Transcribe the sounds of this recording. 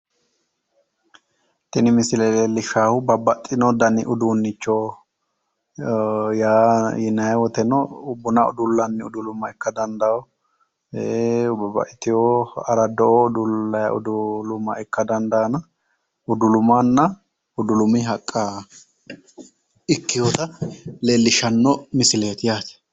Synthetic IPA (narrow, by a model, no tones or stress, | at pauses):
t̪ɪnɪmɪsɪlɛleːlːɪʃaːhʊbɐbːɐt̪ʼːɪnɔd̪ɐnɪ̰ʔʊd̪uːnːɪt͡ʃːoː | jaːjɪnɐjɛwɔt̪ɛnɔʊbːʊnaʊ̰d̪ʊlːɐnːɪʊd̪ʊlʊmːɐɛkːɐd̪ɐnd̪ɐɔ | eʊbɐbɐ̰ʔɪt̪ɪjoːɐɾɐd̪ɔʔɔʊd̪ʊlːɐjɐ̰ʔʊ̰d̪ʊlʊmːɐɛkːɐd̪ɐnd̪ɐnɐ | ʊd̪ʊlʊmanːɐ | ʊd̪ʊlʊmɪɦɐkʼːa | ɪkːɪjot̪ɐleːlːɪʃɐnːɔmɪsɪleːt̪ɪjaːt̪ɛ̥